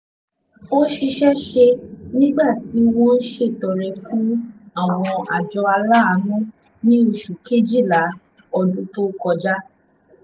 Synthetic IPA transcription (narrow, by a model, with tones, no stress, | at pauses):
o˦ʃi˧ʃɛ˦ʃe˧nĩ˦ɡ͡ba˦˨ti˨˦w̃ɔ̃˦n̩˦ʃe˦˨tɔ˨ɾɛ˨˧fũ˦a˦˨w̃ɔ̃˧a˨d͡ʒɔ˧a˧la˦a˧nũ˦ | nĩ˦o˧˨ʃu˨ke˦d͡ʒi˦˨la˨˦ | ɔ˧du˦to˦kɔ˧d͡ʒa˦